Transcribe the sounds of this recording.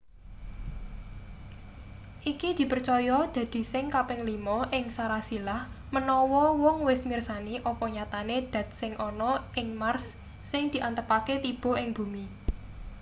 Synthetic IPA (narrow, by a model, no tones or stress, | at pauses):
ʔikid̪̥i̤pərt͡ʃɔjɔd̪̥ä̤d̪̥i̤sɪŋkapɪŋlimɔʔɪŋsaɾasilah | mənɔwɔwɔŋwɪsmirsaniʔɔpɔɲat̪aned̪̥ä̤t̪̚sɪŋʔɔnɔʔɪŋmarsː | ɪŋd̪̥i̤ʔant̪əpaket̪ib̥ɔ̤ɪŋb̥ṳmi